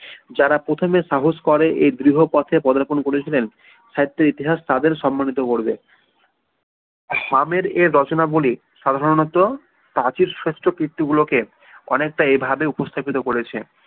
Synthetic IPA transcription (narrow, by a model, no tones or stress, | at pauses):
d͡ʑaɾapɾot̪ʰomeʃaɦoskɔɾeʔed̪ɾiɦopɔt̪ʰepɔd̪aɾponkoɾet͡ɕʰilen | ʃaɦit̪ːeɾit̪iɦaʃt̪ad̪eɾʃɔmːanit̪okoɾbe | hameɾeːɔt͡ɕonaboli | ʃad̪ʱaɾonɔt̪ːo | pɾat͡ɕiɾʃeʃʈɾokɾit̪ːiɡuloke | ɔ̰nek̚ʈaebʱabeupost̪ʰapit̪okoɾet͡ɕʰe